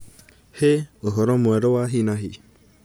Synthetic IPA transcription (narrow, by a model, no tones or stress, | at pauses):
heoɦɔɾɔmuɛɾɔwaɦinaɦi